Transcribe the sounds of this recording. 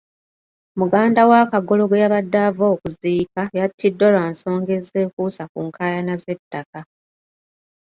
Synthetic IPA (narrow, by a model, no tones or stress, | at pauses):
muɡaːndawakaɡo̞lo̞ɡwejaβadːavo̞ːkuziːkajatʰːidːo̞laːnso̞ːŋɡe̞ze̞ːkusakuːŋkʰaːjanaze̞tːaka